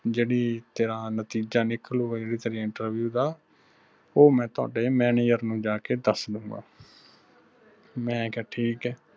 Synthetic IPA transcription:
d͡ʒeːɽiːt̪eːɾaːnət̪iːd͡ʒaːnɪklũːeːɽiːt̪əɾijãɪɳʈəɾʋjuːd̪aː | oːmɛ̃ːt̪ʊa̰ːɖeːmɛːnɪjəɾnũːd͡ʒaːkeːd̪əsd̪ʊ̃ːŋɡa̰ː | mɛ̃ːkɛːʈʰiːkɛː

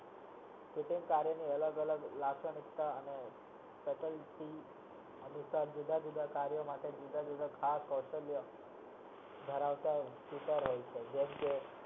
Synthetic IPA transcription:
kiʈĩŋkaɾjəniələɡələɡlasənit̪ːaəne | pɛʈəlʈi | ənusaɾd͡ʒud̪ʱad͡ʒud̪ʱakaɾjəmaʈ̪ʰed͡ʑid̪ad͡ʒud̪ʱakʰaskəwɕəljə | d̪ʱəɾaʋt̪jakit̪əɾɦojt͡ʃʰed͡ʑemke

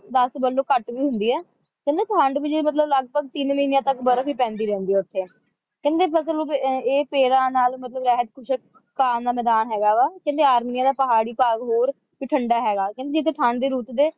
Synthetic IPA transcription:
d̪əsbəlõːkəʈʋiːɦʊnd̪iːɛː | kɛ̃ːnd̪eːpʰə̃ɳɖbiːd͡ʒemət̪̬ləbləɡbəɡt̪ɪnməɦiːnjãːt̪əkbəɾəbiːpɛ̃ːnd̪iːɾɛ̃ːnd̪iːɛːʊt̪ʰːeː | kɛ̃ːnd̪eːpʰəsəlːeːpeːɾãːnaːlmət̪ləbɾɛːɦət̪kʰʊʃə | kaːd̪aːmɛːd̪aːnɦɛːɡaːʋaːkɛ̃ːnd̪eːaːɾmiːnijaːd̪aːpəɦaːɽiːpaːɡɦoːɾ | pɪʈʰəɳɖaːɦɛːɡaːkɛ̃nd̪ed͡ʒɪt̪ʰːeːʈʰəɳɖd̪eːɾuːt̪d̪eː

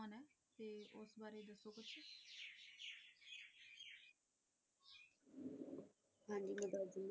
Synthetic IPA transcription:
nɛːt̪eːʊsbaːɾeːd̪əsoːkʊt͡ʃʰ | hãːɲd͡ʒiːməd̪aːd͡ʒɪm

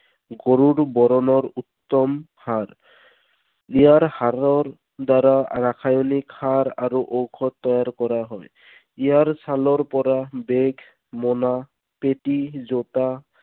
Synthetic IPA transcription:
ɡoɹuɾbɔɾɔnɔɹut̪ːɔm | haɹ | ijaɹhaɹɔɹ | daɾaɹakʰajɔnikʰaɾaɹuʔowkʰɔt̪ːɔjaɹkɔɹaɦɔj | ijaɹsalɔɹpɔɹabeɡʱ | mɔna | petizota

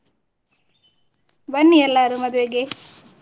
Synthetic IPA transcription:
bɐnːiɛlːaɾumɐd̪uʋeɡe

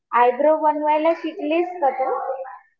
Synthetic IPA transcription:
ajd̪ɾobənʋajlaɕiʈleskət̪o

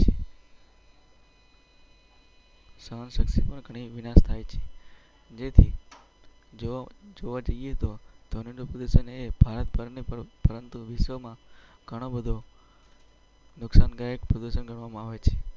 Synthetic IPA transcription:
t͡ʃʰe | səənʃəksipəɳɡʱəɽ̃iʋɪnast̪ʰajt͡ʃʰe | d͡ʒet̪ʰi | d͡ʒd͡ʒoʋad͡ʒəeɦt̪od̪̥ʱoniɳɖopɾəd̪uʃəneb̥ʱaɾət̪pəɾnipəpəɾənt̪uʋɪʃʋəmãɡ̥ʱəɽ̃obəd̪ʱo | nʊksanɡajəkpɾəd̪uʃənɡʱəɳʋamãaʋet͡ʃʰe

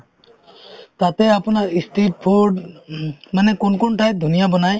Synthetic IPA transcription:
t̪at̪ɛapunakistʰit̚pʰuɖ | manɛkɔnkɔntʰaj̚d̪ʱunijabɔnaj

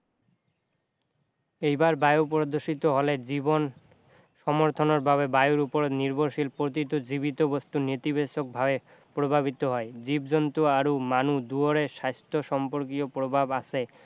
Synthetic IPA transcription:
ejbaɾbajopɾod̪oʃit̪oɦoled͡ʑibon | ʃɔmoɾt̪ʰonoɾbʱaβebajoɾupoɾot̪niɾbʱoɾʃilpɾot̪̬it̪od͡ʑibit̪obost̪unit̪ibeʃok̚bʱabe | pɾobʱaβit̪oɦɔed͡ʑib̚d͡ʑont̪uaɾumanud̪uoɾeʃast̪ʰoʃɔmpoɾk̬iopɾobʱabat͡ɕʰe

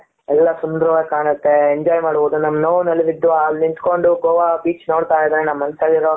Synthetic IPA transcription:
ɛlːɐsund̪ɾuʋeːkaːnɐt̪ːeeɲd͡ʒɔːjmaːɽboːd̪unɐmːɐnoːʋnɐlːɐʋid̪ːuaːlnint̪koɳɖuɡoːʋabiːt͡ʃnoːɽt̪aːjd̪ɾenɐmːɐnɐsɐliɾo

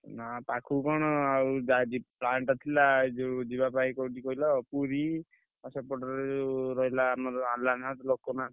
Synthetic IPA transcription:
napakʰukɔɽ̃ɔaud͡ʒad͡ʒiplaɳʈɔt̪ʰilad͡ʒed͡ʒibapaikɔʈikɔɦilɔpuɾi | ɔsɔpɔʈɔɾed͡ʒeɾɔɦilaːmaɾɔalanat̪ɔlokona

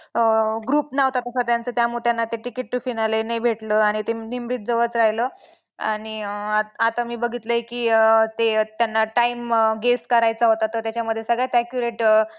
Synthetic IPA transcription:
əɡɾuːpnaʋt̪at̪əsət̪jant͡sət̪jamut̪janːat̪eʈikiʈːufinalenebʱeʈləaɽ̃it̪enimɾiːt̪̚d͡zəʋət͡sɾaɦjləː | a̰ɽ̃iat̪amiːbəɡʱit̪ləikiːt̪et̪janːaʈaimɡeskəɾajt͡saɦot̪at̪ət̪jat͡ɕaməd̪ʱjesəɡɭajt̪akjuɾeʈ

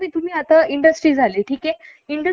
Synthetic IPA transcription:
miːt̪um̤iːat̪əiɳɖəsʈɾiːd͡zʱaleːʈʰiːke | iɳɖə

